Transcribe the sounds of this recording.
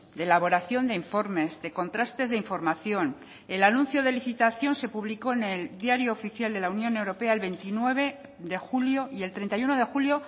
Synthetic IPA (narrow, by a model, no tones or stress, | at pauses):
d̪eelaβ̞o̞ɾaθjo̞nd̪e̞iɱfo̞ɾme̞zðe̞ko̞nt̪ɾast̪e̞zðe̞iɱfo̞ɾmaθjo̞n | e̞lanũnθjo̞ðe̞liθit̪aθjo̞nse̞puβliko̞ene̞ld̪jaɾjoːfiθjald̪e̞launjonewɾo̞pe̞aelβe̞nt̪inwe̞β̞e̞ | ðe̞xuljo̞ie̞lt̪ɾe̞nt̪ajuno̞ðe̞xuljo̞